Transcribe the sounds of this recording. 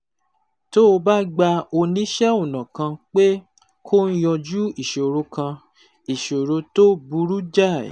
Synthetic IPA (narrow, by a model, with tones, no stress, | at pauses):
to˦˧ba˦ɡ͡ba˧o˧nĩ˦ʃɛ˦o˦˨nã˨kã˧k͡pe˦ | kʰo˦n̩˦jɔ˧d͡ʒu˦i˦˨ʃo˨ɾo˧kã˧ | i˨ʃo˨ɾo˧to˦bu˧ɾu˦d͡ʒa̰˦˨